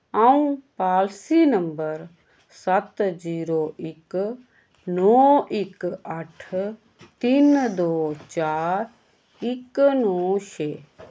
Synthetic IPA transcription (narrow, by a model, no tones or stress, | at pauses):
aũpaːlsiːnəmbəɾ | sət̪ziːɾoːʔɪk | nɔːɪkɐʈʰ | t̪ind̪oːt͡ʃaːɾ | ɪknɔːʃeː